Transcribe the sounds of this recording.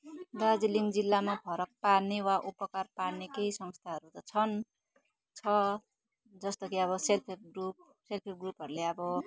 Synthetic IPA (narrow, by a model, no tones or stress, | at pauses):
dad͡ziliŋɡd͡zilːamapʰʌɾʌk̚parnewaʔupʌkarpaɽnekejsʌŋst̪ʰaɦʌɾut̪ʌt͡sʰʌn | t͡sʰʌ | d͡zʌst̪okiʌβʌselpʰeɡrup̚ | selpʰeɡrupɦʌɾuleʌbʌ